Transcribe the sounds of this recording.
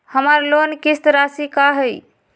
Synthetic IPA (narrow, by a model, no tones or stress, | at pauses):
həmaɾlonkist̪ɾasikaɦəj